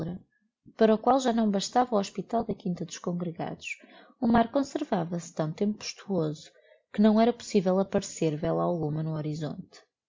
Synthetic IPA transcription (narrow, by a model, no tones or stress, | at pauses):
ɾɐ | pɐɾɐukwalˠʒanɐ̃w̃bɐʃt̪avɐawɔʃpit̪alˠd̪ɐkĩnt̪ɐðuʃkõŋɡɾɨɣa̰ðuʃ | umaɾkõsɨɾvavɐst̪ɐ̃w̃t̪ẽmpupːu̥ʃt̪ʰuozu̥ | kɨnɐ̃w̃ɛɾɐpu̥sivɛlˠɐpɐɾseɾvɛlˠɐalˠɣumɐnuɔɾizõ̰nt̪